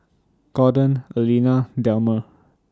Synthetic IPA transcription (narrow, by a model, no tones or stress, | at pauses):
ɡ̥ɔdə̃nəlinadɛlmə